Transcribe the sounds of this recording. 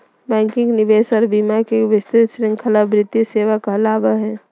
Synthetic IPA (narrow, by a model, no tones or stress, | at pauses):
bɛ̃ːŋkɪ̃ŋɡnɪʋeːsɔːɾbiːmakeʋɪst̪ɪt̪ʃɾɪ̃ŋɡkʰəlafɾɪt̪jiseːʋakəɦlaːbəɦɛ̃ː